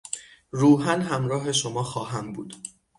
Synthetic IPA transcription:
ɾuːɦænɦæmɾɒːɦe̞ʃomɒːxɒːɦæmbuːd̪̥

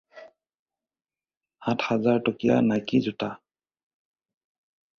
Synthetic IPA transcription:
hatʰhazaɹtɔkija̰najkizʊta

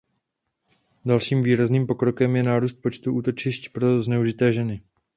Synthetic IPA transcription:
dalʃiːmviːɾazniːmpo̞kɾo̞kɛmjɛnaːɾuːst̪̚po̞t͡ʃt̪uʔuːt̪o̞t͡ʃɪʃcpɾo̞znɛuʒɪt̪ɛːʒɛnɪ

